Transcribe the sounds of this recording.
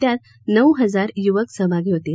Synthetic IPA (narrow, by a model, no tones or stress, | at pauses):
t̪jat̪̚ | nəwɦəd͡zaɾjuʋəksəbʱaɡiɦot̪e